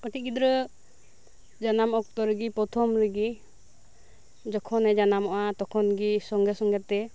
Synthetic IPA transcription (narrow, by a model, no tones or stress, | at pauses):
ɔt̪iɡid̪ɾɯ | d͡ʒanamɔk̚t̪ɔɾɯɡipɔt̪ʰɔmɾiɡi | d͡ʒɔkʰɔnɛd͡ʒanamɔʔat̪ɔkʰɔnɡisɔŋɡɛsɔŋɡɛt̪ɛ